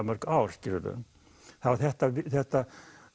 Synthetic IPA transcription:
mœɾ̥kawɾ̥scɪɾʏɾʏ̰ | θavaɾθɛht̪avɪθɛht̪a

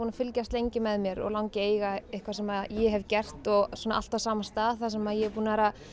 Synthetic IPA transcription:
uːnafɪlcast̪lejɲcɪmɛðmjɛɾɔ̰ɣlawŋcɪeːjɣaehkvḁɾsɛmaðjɛɦɛvcɛr̥t̪ɔɣsɔːna̰ʔa̰l̥t̪avsaːmast̪aːðθasɛmaðjɛpuːnaɛɾa

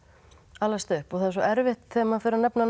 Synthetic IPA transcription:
alːast̪ʏhpɔθaðɛɾs̬ɔʔɛɾvɪht̪θɛːmafɪɾɪɾnɛpnan

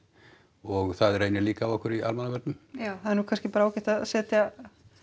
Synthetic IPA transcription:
ɔɣθaðrejnɪliːkaːvɔhkʏɾiʔalmanavɛɾt̪ʏmahaðɛɾnukʰanscɪpaːɾaaːwcɛht̪aðsɛːt̪ja

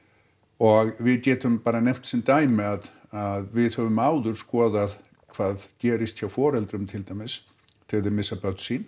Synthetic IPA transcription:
ɔɣvɪðcɛːt̪ʏmpaːɾanejm̥t̪sɛnt̪aːjmmɛað | aðvɪðhœvʏmaːwðʏɾ̥skɔːðað | kʰvaːðcɛːɾɪst̪ʰçafɔːɾɛlt̪ɾʏmt̪ʰɪlt̪ajmɪst̪ʰɪðɪɾmɪsːapœt̪sin

